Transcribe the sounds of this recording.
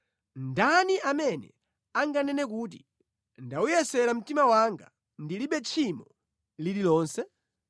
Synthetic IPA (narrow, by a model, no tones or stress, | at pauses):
ndaniamɛnɛ̰ | aŋɡanɛnɛk̬uːt̬i | ndaujɛsɛɾam̩timawaŋɡa̰ | ndiliɓɛt͡ʃʰimɔ | lililɔːnsɛ